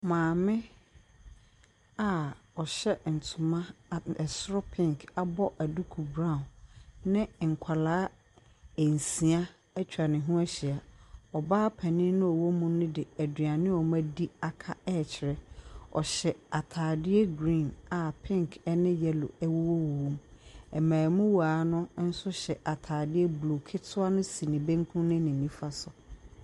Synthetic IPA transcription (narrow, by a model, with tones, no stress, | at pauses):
mãː˨mɪ̃˦ | a˨ɔ˨ɕɛ˦n̩˨tʰʊ̃˨mã˦˨ɛ˨sɾɔ˦pʰɪ̃˦ŋka˦bɔ˦ʔæ˨du˦kʰu˨bɾã˦˨ʊ̃˨nnɪ̃˦ŋ̩˨kʷʰa˨laː˦ | ɛ˨n˨sĩ˨a˦ | ɛ˦t͡ɕᶣʰɾa˨nɪ̃˨ɦũ˦ɛ˦ɕɪ˨a˨ɔ˨baː˦pʰɛ˨nɪ̃˦nʊ̃˦ɔ˨wo˦mũ˦nʊ̃˦dɪ˨æ˨dɥa˨nɪ̃˦ɔ˨mã˦di˦a˨kʰa˦ɛ˦˨t͡ɕʰɪ˨ɾɛ˦ɔ̰˨ɕɛ˨a˨tʰaː˨dɪ˦ɛ˦ɡɾĩ˦˨na˨pʰɪ̃˦ŋkʰɛ˦nɪ̃˦jɛ˦lʊ̰˨ɛ˦wo˦wo˦wwõ˦mɛ˨mãː˨mũ˦waː˨˦nʊ̃˦n̩˦sʊ˦ɕɛ˨ʔa˨tʰaː˨dɪ˦ɛ˦blo˨kʰɪ˦tʰʊ˦a˦nʊ̃˦si˨nɪ̃˨bẽ˦ŋ˦kʰũ˦nɪ̃˦nɪ̃˨nĩ˦fa˦sʊ˨